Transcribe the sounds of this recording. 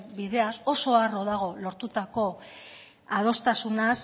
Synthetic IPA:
biðe̞aso̞so̞aro̞ðaɣ̞o̞lo̞ɾt̪ut̪ako̞ | að̞o̞st̪asunas

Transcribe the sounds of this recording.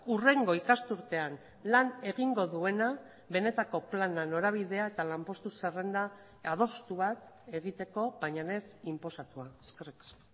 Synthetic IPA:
ure̞ŋɡo̞ikast̪uɾt̪e̞an | lane̞ɣiŋɡo̞ðue̞na | βe̞ne̞t̪ako̞planano̞ɾaβ̞ið̞e̞ae̞t̪alampo̞st̪usere̞nd̪aː | ð̞o̞st̪uβat̪e̞ɣit̪e̞ko̞βajɲane̞simpo̞sat̪uaeskeriks

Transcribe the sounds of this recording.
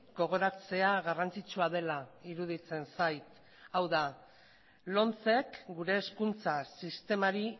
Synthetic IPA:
ɡo̞ɣ̞o̞ɾat͡se̞aɣarant͡sit͡suað̞e̞laiɾuð̞it͡se̞nsajt̪ | awða | lo̞nt͡se̞kɡuɾe̞ːskunt͡sasist̪e̞maɾi

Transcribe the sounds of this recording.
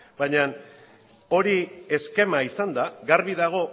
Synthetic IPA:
baɲan | o̞ɾie̞ske̞maisand̪aɣaɾβiðaɣ̞o̞

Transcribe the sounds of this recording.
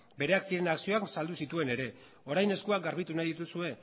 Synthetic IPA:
be̞ɾe̞aksiɾe̞naksio̞aksald̪usit̪ue̞ne̞ɾe̞ | o̞ɾajne̞skuakɡaɾβit̪unajðit̪̬usue̞

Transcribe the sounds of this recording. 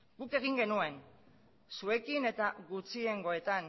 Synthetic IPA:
ɡuke̞ɣ̞iŋɡe̞nue̞n | sue̞kine̞t̪aɣut͡sie̞ŋɡo̞e̞t̪an

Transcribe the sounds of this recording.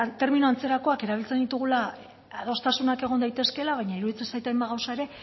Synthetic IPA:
t̪e̞ɾminuant͡se̞ɾako̞ake̞ɾaβ̞ilt͡se̞nd̪it̪uɣ̞ula | að̞o̞st̪asunake̞ɣo̞nd̪ajt̪e̞ske̞laβ̞ajɲaiɾuðit͡sensajt̪emaɣawsae̞ɾe̞

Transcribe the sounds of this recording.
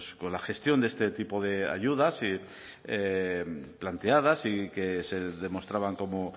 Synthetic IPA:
sko̞nlaxe̞st̪jo̞nd̪ee̞st̪et̪ipo̞ðe̞a̰ʝuð̞asi | e | plant̪e̞að̞asike̞se̞ðe̞mo̞st̪ɾaβaŋko̞mo

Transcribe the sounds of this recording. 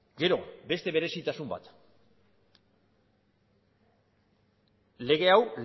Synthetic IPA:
ɡe̞ɾo̞̰be̞st̪e̞βe̞ɾe̞sit̪asumba̰t̪ | le̞ɣ̞e̞awl

